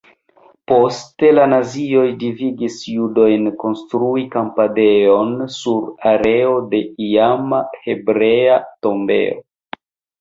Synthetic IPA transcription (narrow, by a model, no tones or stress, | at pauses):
po̞ste̞lanazio̞jdiviɡisjudo̞jnko̞nstɾuikampade̞o̞nsuɾaɾe̞o̞de̞iamahe̞bɾe̞ato̞mbe̞̰o